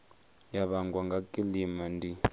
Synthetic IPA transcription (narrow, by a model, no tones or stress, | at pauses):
jaβaŋɡwaŋɡakʼilimandʱi